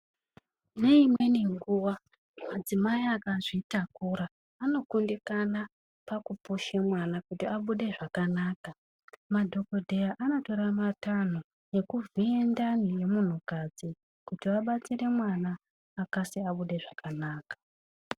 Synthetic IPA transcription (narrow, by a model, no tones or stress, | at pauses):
ne̞imwe̞neŋɡuwa | mad͡zimaiakaʐitakuɾaː | no̞kundikana | pakupuʃemwanakutiaɓuɗe̞ʐakanaːka | madʱo̞ko̞dʱejaʔano̞to̞ɾamatano | je̞kuviendaneje̞mun̤ukad͡zi | kutiaɓat͡sire̞mwanaː | kasiaɓuɗe̞ʐakanaːkḁ